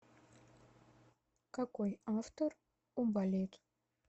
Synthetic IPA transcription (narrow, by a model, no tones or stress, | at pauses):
kɑkojɑft̪or | umbɑlʲet̪